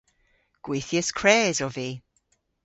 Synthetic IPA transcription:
ɡ̥wejθjɛskʰreːzɔviː

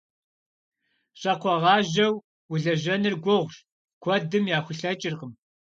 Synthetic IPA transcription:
ɕʼɐqʷɔʁɑːʒɐw | wʊɮɐʒɐnɨrɡʷɔʁʷʒ | kʷʰɔdɨmjaːxʷʊɬɐt͡ʃʼɪrqəm

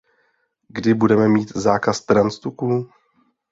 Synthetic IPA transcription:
ɡdɪbudɛmɛmiːt̪zaːkast̪ɾanst̪ukuː

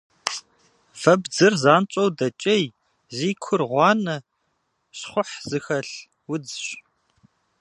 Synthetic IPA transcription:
vɐbd͡zɨrzaːnt͡ʃʼowdɐt͡ʃʼɐj | ziːkʷʰʊrʁʷɑːnɐ | ɕχʷʊħz̥ɨxɐɬ | wʊd͡zɕ

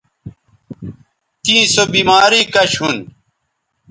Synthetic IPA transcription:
t̪ĩːsobiːmaːɾiːkɐɕɦun

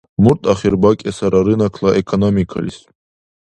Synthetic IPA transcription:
muɾt̪ʼaχiɾbakʲʼɛsaɾaɾɨnakʰlˠaʔɛkʰɔnomikʰa̰lḭs

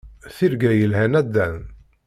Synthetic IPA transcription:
θiɾɡæjəlhænæd̪ːæn

